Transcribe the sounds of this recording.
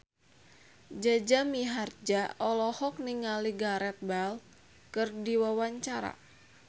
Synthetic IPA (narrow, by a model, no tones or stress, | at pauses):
d͡ʒad͡ʒamiɦard͡ʒaɔlɔhɔk̚niŋaliɡaɾɛt̪̚bal | kɨrdiwawaɲt͡ʃaɾa̰